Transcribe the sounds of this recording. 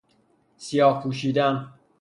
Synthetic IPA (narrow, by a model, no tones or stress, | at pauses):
sijɒːhpʰuːʃ̬iːd̪æn